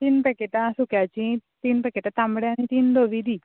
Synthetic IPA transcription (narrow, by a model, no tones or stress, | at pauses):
t̪inpɛkeʈãsʊkjat͡ʃĩt̪inpɛkeʈat̪ãmɽjãnĩt̪inloːʋid̪iː